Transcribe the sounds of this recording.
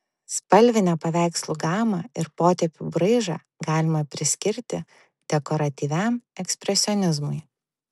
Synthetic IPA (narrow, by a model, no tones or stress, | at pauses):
spɐlʲʋʲɪnʲɛpɐʋʲæˑɪkslˠʊɡɑːmɑːɪɾpoːt̪ʲɛpʲubɾɐɪʒɑ̰ː | ɡɑːlʲɪmɐpʲɾʲɪsʲkʲɪɾʲt̪ʲɪ | d̪̥ʲɛkɔɾɐt̪ʲiːʋʲæmɛksʲpʲɾʲɛsʲɔnʲɪzmʊɪ